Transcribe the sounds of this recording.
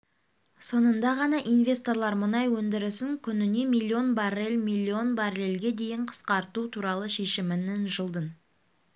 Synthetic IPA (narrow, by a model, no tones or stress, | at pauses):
so̞nənd̪ɑʁɑnɑʔinvʲe̞st̪o̞ɾlˠɑɾmʊnɑjwɵnd̪ɪɾɪsɪŋkʲʰʏnɪne̞milʲːio̞nbɑrelʲmʲilʲˠːio̞nbaɾelʲɡʲe̞d̪e̞jɪɴqʰə̥sqɑɾt̪ut̪ʰuɾɑlˠəʃe̞ʃɪmɪnɪnʒəlˠd̪ən